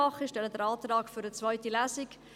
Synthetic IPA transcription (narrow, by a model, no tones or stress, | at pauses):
ɑχəʃtɛlədəɾɑːtrɑːkfyɾət͡svaɪtilæːsɪk